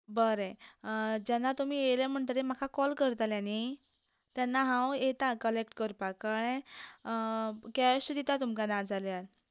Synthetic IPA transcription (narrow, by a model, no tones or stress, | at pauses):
bəɾe | d͡ʑɛnːat̪um̤iːjelem̤əɳt̪əɾem̤akʰakɔlkəɾt̪aljãni | t̪janːaɦãwet̪akəlek̚ʈkəɾpakaɽ̃ẽ | kɛsud̪it̪at̪umkanad͡zaljaɾ